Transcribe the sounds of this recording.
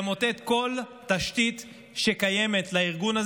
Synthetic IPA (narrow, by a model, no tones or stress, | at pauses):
mo̞te̞t̪ko̞ltaʃtit̪ | ʃekaje̞me̞t̪laiʁɡunaz